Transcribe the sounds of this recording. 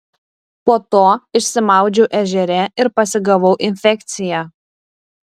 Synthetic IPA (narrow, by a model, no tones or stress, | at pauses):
poːt̪oːɪʃʲsʲɪmɑˑʊd͡ʒʲɛʊʔɛʒʲɛɾʲɛɪɾpɐsʲɪɡɐʋɐʊʔɪnʲfʲɛkʲt̪sʲɪjæː